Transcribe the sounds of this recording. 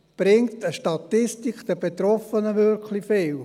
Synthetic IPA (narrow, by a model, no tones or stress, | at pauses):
b̥ɾɪŋtəʃtɑtɪstikt̪ɛb̥et̪ɾɔfənəʋøɾkʰlifɪl